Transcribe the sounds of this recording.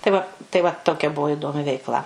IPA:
tɐɪ ˈʋɐ tɐɪ ˈʋɐ ˈtoːkʲɛ ˈbʊʋoː ɪˈdoːmʲɪ ʋʲɛɪkˈlˠɐ

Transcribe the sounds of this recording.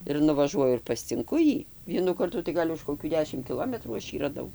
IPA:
ɪr nʊʋɐˈʒuɔjʊ ɪr pɐsʲt͡sʲɪŋˈkʊ ˈjiː ˈʋʲiɛnuː ˈkɐrtuː tɐɪ ˈɡɐlʲ ʊʃ koːˈkʲuː ˈdʲæːʃʲɪm kʲɪˈlˠoːmʲɛtruː ˈɐʃ ˈjiː rɐˈdɐʊ

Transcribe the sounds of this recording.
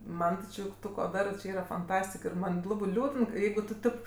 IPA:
ˈmɐn tʲɪ ˈt͡ʃʲɪ ˈtʊ koː ˈdɑːrɜ t͡ʃʲɪ ˈiːrɐ fɐnˈtɑːsʲtʲɪk ɪr ˈmɐn tʲɪ ˈlˠɑːbɜ ˈlʲuːdən ˈjɛɪɡʊ tʊ ˈtʲɪp

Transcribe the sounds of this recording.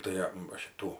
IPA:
ˈtɐɪ ɐ ʋɐ ˈʃʲɪtuː

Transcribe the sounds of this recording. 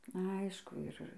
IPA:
ˈɐɪʃkʊ ˈɪr

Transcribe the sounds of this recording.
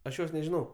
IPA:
ɐʃ ˈjoːs nʲɛʒʲɪˈnɐʊ

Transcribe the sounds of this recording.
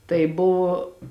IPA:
tɐɪ ˈbʊʋoː

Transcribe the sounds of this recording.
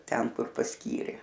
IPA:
ˈtʲɛn ˈkʊr pɐsʲˈkʲiːrʲeː

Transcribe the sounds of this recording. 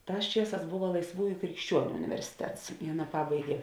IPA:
ˈtɑːs ˈt͡ʃʲiɛˌsɑːs ˈboːʋɐ lˠɐɪsˈʋuːjʊ krʲɪkʃʲˈt͡ʃʲuɔnʲʊ ʊnʲɪʋʲɛrʲsʲɪˈtʲɛts ɪ ˈɑːˌnɐ ˈpɑːbɐɪɡʲeː

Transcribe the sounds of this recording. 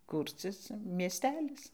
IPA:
ˈkuːrʲt͡sʲɪs mʲiɛˈsʲtʲæːlʲɪs

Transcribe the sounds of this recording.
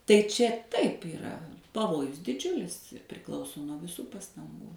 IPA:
tɐɪ ˈt͡ʃʲɛ ˈtɐɪp iːˈrɐ pɐˈʋoːjʊs dʲɪˈd͡ʒʲʊlʲɪs ɪ pʲrʲɪˈklˠɐʊsoː nuɔ ʋʲɪˈsuː pɐstɐŋˈɡuː

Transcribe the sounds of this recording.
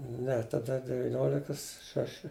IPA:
ˈnʲɛ tɐˈdɐ dʲɛʋʲɪˈnʲoːlʲɪkɐs ˈʃɑːʃʲɪ

